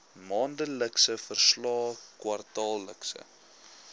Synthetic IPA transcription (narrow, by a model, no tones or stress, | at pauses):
mɑːndələksəfərslɑːkwɐrtɑːlːəksə̰